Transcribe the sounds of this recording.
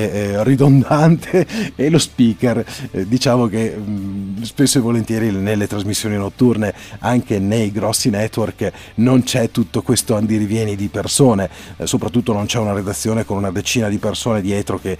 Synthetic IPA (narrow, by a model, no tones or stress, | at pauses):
rid̪ond̪ant̪ʰeːlospiːkerd̪it͡ʃaːvok̟e | spesːoevolent̪jɛːɾinelːet̪ɾazmisːjoːninot̪ːurneaŋkenejɡɾɔsːinɛt̪ːwork | nont͡ʃɛt̪ːut̪ːokwest̪oand̪iɾivjɛːnid̪ipersoːne | sopɾat̪ːut̪ːonont͡ʃɛunaɾed̪at̪sːjoːnekonunad̪et͡ʃiːnad̪ipersoːned̪iɛːt̪ɾoke